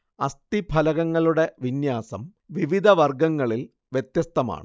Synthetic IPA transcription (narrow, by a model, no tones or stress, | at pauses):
ɐst̪ibʱɐlɐɣɐŋːɐɭuɽe̞ʋinjaːsɐm | ʋiʋid̪ʱɐʋɐrɡɐŋːɐɭil | ʋjet̪jɐst̪ɐma̰ːɳɨ